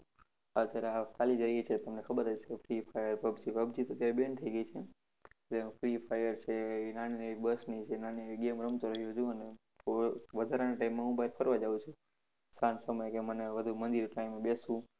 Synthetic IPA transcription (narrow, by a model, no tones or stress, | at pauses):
ət̪jaɾeat̪alid͡ʒɾəiet͡ʃʰet̪əmnekʰəbəɾət͡ʃʰefʰɾifʰajəɾpəbd͡ʒipəbd͡ʒit̪ət̪jaɾebent̪ʰəiɡəit͡ʃʰe | d͡ʒemfɾipʰajəɾt͡ʃʰeinañinəʋibəsniit͡ʃʰenaninəʋiɡemɾəmt̪oɾəɦjd͡ʒũəne | oʋəd̪ʱaɾanaʈaimːãɦũbʱaɾpʰəɾʋad͡ʒaʋũt͡ʃʰũ | sãnsəməjkeməneʋəd̪ʱumənd̪iɾʈaimebesʋũ